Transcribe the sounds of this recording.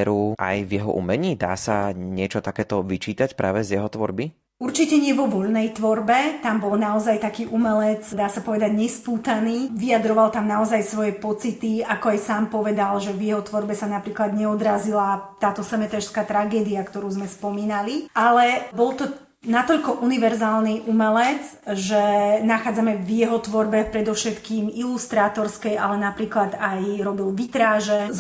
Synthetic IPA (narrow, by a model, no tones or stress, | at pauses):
ɛɾuʔa̰jvjɛɦɔ̰ʔṵmɛɲiːd̪a̰ːsaɲɪɛt͡ʃɔt̪akɛːt̪ɔʋit͡ʃiːt̪acpɾʔa̰ːʋɛzjɛɦɔt̪ʋɔ̰ɾbi | uɾt͡ʃicɛɲɪɛʋɔʋɔʎnɛjt̪ʋɔɾbɛt̪ambɔlnaɔzajt̪akiːʔumɛlɛt͡sd̪aːsapɔʋɛd̪aɟɲɛspuːt̪aniːʋiad̪ɾɔʋalt̪amnaɔzajsʋɔjɛpɔt͡sit̪iakɔajsaːmpɔʋɛd̪alʒɛvjɛɦɔt̪ʋɔɾbɛsanapɾiːklad̪ɲɛɔd̪ɾazilat̪aːt̪ɔsɛmɛt̪ɛʃskaːt̪ɾaɡɛːd̪iakt̪ɔɾuːzmɛspɔmiːnalialɛbɔlt̪ɔ | nat̪ɔʎkɔʔuniʋɛɾzaːlˠniʔumɛlɛd͡zʒɛnaxaːd͡zamɛvjɛɦɔt̪ʋɔɾbɛpɾɛd̪ɔfʃɛt̪kiːmilust̪ɾaːt̪ɔɾskɛjʔalɛnapɾiːklad̪ajɾɔbilʋit̪ɾaːʒɛz